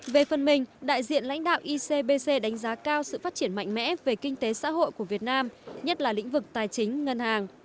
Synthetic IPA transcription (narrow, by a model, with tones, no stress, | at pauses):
ve˨˩fə˨˩nmï˨˩ŋ̟ɗa̰ː˧˨jzḭ˧˨ənla̰˧˥jŋ̟ɗa̰ː˧˨wʔi˧se˧ɓe˧se˧ɗa˨˦jŋ̟zaː˨˦kaː˧wsɨ̰˧˨faː˦˥t̚t͡ɕi˧˩ənma̰˧˨jŋ̟mɛ̰˧˥ve˨˩kï˧ŋ̟t̪e˨˦sa̰ː˧˥ɦo̰˧˨jku˧˩əvi˨˩ət̚naː˧mɲə˦˥t̚laː˨˩lḭ̈˧˥ŋ̟vɨ˨˩k̚t̪aː˨˩jt͡ɕï˨˦ŋ̟ŋə˧nhaː˨˩ŋ